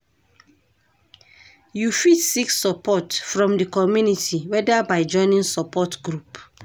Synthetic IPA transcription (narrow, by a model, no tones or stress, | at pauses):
jufitsikssɔpɔtfɹɔ̃mdəkɔmjunitiwɛdabaɪd͡ʒɔ̃ɪ̃nĩnsɔpɔtɡɹup